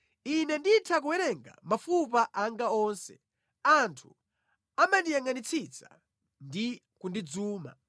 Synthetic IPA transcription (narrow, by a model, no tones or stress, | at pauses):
inɛnditʰak̬uwɛɾɛŋɡa̰mafupaʔaŋɡaɔnsɛ̥̰ | antʰu | amandijaŋanit͡sʰit͡sa̰ | ndi | kundid͡zuːma̰